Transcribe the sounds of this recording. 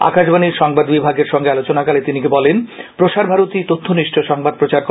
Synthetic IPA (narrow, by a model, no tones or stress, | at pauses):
a̰kaʃbaniɾʃɔŋbad̪bibʱaɡeɾʃɔŋɡealot͡ɕonakalet̪inikebɔlenpɾoʃaɾbʱaɾot̪it̪ot̪ʰːoniʃʈʰoʃɔŋbad̪̚pɾot͡ɕaɾk